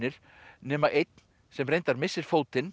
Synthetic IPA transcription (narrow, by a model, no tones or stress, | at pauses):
ɪɾ̥ | nɛːmaʔejt̪̚n | sɛmrejnt̪aɾmɪsːɪɾ̥foːwt̪ɪn